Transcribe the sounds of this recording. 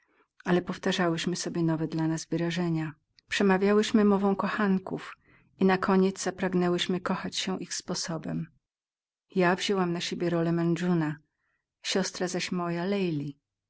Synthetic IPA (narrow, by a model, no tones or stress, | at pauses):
alɛpɔft̪aʐawɘɕmɘsɔbʲjɛnɔvɛd̪lanazvɘɾaʐɛɲa | pʂɛmavʲjawɘɕmɘmɔvɔ̃w̃kɔxaŋkuf | inakʰɔɲɛd̪zz̥apɾaɡnɛwɘɕmɘkɔxat͡ɕɕɛʔixspɔsɔbɛ̰m | javʑɛwamnaɕebʲjɛɾɔlɛmɛnd͡ʐuna | ɕɔst̪ɾazaɕmɔjalɛjlʲi